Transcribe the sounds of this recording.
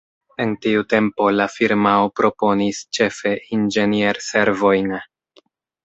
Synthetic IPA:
e̞ntiute̞mpo̞lafiɾmaopɾo̞po̞nist͡ʃe̞fe̞ʔind͡ʒe̞nje̞ɾse̞ɾvo̞jn

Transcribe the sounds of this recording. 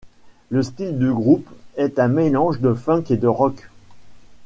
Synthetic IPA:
ləst̪ild̪əɡʁupɛt̪ɛ̃melɑ̃ʒd̪əfɛ̃ked̪əʁɔk

